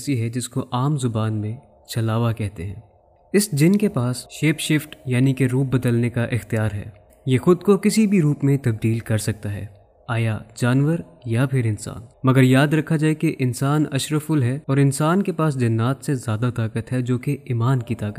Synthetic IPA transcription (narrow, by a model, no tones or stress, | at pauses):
siɦɛd͡ʒɪskoʔaːmzʊbaːnmẽ | t͡ʃɐlaːʋakɛɦt̪eɦɛ̰̃ː | ɪsd͡ʒɪnkepaːsʃeːpʃɪfʈjaːnikeɾuːp̚bɐd̪əlnekaʔɪxt̪ijaːɾɦɛ̰ː | jeːxʊd̪kokɪsibʱiɾuːpmẽt̪ɐb̚d̪iːlkɐɾsɐk̚t̪aɦɛ̰ː | aːjad͡ʒaːnʋəɾ | japʰɪɾɪnsa̰ːnmɐɡəɾjaːd̪ɾɐkʰad͡ʒaːekeʔɪnsaːnɐ̰ʃɾəfʊlɦɛɔːɾɪnsaːnkepaːs̬d͡ʒɐnːaːt̪sezjaːd̪at̪aːkət̪ɦɛd͡ʒoːkeiːmaːnkit̪aːkət̪